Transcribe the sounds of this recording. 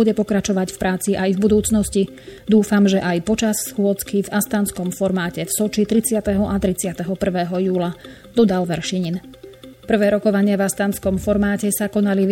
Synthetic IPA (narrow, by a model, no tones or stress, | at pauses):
uɟɛpɔkɾat͡ʃɔʋacfpɾʔaːt͡siʔajvbud̪uːt͡snɔsci | d̪uːfamʒɛʔajpɔt͡ʃassxʊɔt͡skivast̪aːnskɔmfɔɾmaːcɛfsɔt͡ʃit̪ɾit͡sɪat̪ɛɦɔʔat̪ɾit͡sɪat̪ɛɦɔpr̩ʋɛːɦɔjuːla | d̪ɔd̪alʋɛɾʃiɲinpr̩ʋɛːɾɔkɔʋaɲɪavast̪aːnskɔmfɔɾmaːcɛsakɔnaliʋ